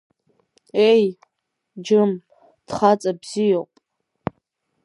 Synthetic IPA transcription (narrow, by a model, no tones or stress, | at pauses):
ej | d͡ʒɨm | d̥χat͡sʼabz̥ijopʼ